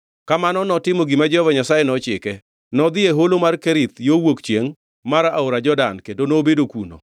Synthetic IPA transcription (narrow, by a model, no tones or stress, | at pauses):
kamanɔnɔtɪmoɡimad͡ʒɔvɔɲasajɛnɔt͡ʃɪkɛ | nɔd̪ɪeɦolomarkɛɾɪt̪jowokt͡ʃjeŋ | maɾaaoɾad͡ʒɔdankendonobedokuno̰